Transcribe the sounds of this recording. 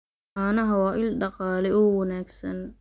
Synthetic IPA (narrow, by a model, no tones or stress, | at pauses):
aːnɐɦɐwɑːʔɪlɖɑqɑːlɛɔːwɐnaːɡsɐn